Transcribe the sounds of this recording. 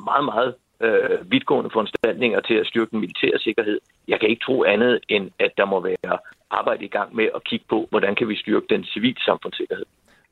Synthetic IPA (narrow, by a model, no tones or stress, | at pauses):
mɑ̈ːð̩ˠmɑ̈ːð̩ˠ | øʋið̥ˠɡ̥ɔ̰̽ːnəfɒɒnsd̥æl̰ne̝ŋɐt͡sʰe̝læsd̥yɐɡ̥əd̥enmilit͡sʰɛ̰ːɐ̰se̝ɡ̥ɐɦe̝ð̰ˠ | jɑ̈ɪkʰæe̝ɡ̥ə̥t͡sʰʁo̝̰ːænð̞̩ˠenæd̥ɑ̈mɒ̽ʋæːɐʔɑ̈ːb̥ɑ̈ɪ̰d̥əiɡ̥ɑ̈ŋ̰meʔɒ̽kʰiɡ̥ə̥pʰɒ̽ʋɒdænkʰæʋisd̥yɐɡ̥əd̥ensiʋḭːlsɑ̈mfɔ̽n̰se̝ɡ̥ɐhe̝ð̰ˠ